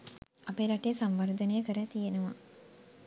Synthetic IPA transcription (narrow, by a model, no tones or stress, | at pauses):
apeːlɐʈeːsamʋɐɾd̪ənəjəkəɾæt̪ijenəʋa̰